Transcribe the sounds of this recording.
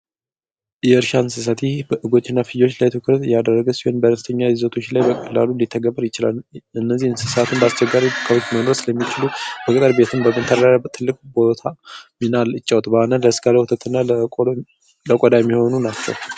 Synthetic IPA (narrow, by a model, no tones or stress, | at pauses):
jɛɨɾʃansɨs̬at̪ʰibəʔɨɡo̞t͡ʃʼːɪnːafɨjo̞t͡ʃːlajt̪ʰɨkʰɨɾt̪jad̪ərːəɡəsihɨnbəɾəst̪ʰəɲːajɪzot̪ʰo̞t͡ʃːlajbəkʰʼəla̰lulit̪ʰːəɡəbəɾjɪt͡ʃɪla̰lɨnːəzːihnsɨsat̪ʰɨnbəast͡ʃɛɡːaɾibkʰəwot͡ʃːmənoɾsɨləmːit͡ʃɪlubəkʼɨt̪ʼəɾbe̞t̪ʰɨmbəmɨt̪ʰəd̪daɾat̪ʰɨlːɨkʼbo̞t̪ʰaminalɨt͡ʃʼːawt̪bəhanənləsɡaləhut̪ʰət̪ʰɨnːa | ləkʼod̪ajɛmːiho̞nunat͡ʃːɛ̰w